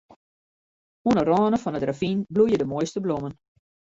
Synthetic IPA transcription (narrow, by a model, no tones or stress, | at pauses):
uənərɔːnəfɔnətravinblujədəmojstəblomən